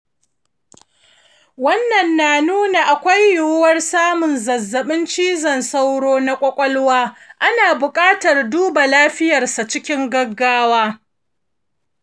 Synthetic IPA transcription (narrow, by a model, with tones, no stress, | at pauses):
wɐ˦nːɐ˨nːaː˨nuː˦na˨ʔa˨kʷa˦jːʊ˨wʊ˦wɐ˦rsaː˦mʊ˨nzɐ˨zːɐ˨ɓɪ˦nt͡ʃiː˦zɐ˨nsa˦wɽoː˦na˦kʷʼɔ˦kʷʼɔ˦lwaː˦ʔa˦naː˨bʊ˨kʼaː˦tɐ˨rduː˦ba˨laː˦ɸɪ˦jɐ˨rsa˨t͡ʃɪ˦kʲɪ˦ŋɡɐ˦ɡːaː˦waː˦